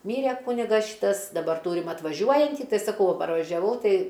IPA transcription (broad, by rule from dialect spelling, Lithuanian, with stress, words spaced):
ˈmʲiːrʲɛ ˈkuːnʲɪɡɐs ˈʃʲiːtɐs dɐˈbɐr ˈtuːrʲɪm ɐtʋɐˈʒʲuɔjɛnʲtʲiː ˈtɐɪ sɐˈkɐʊ ʋɐ pɐrʋɐʒʲɛˈʋɐʊ ˈtɐɪ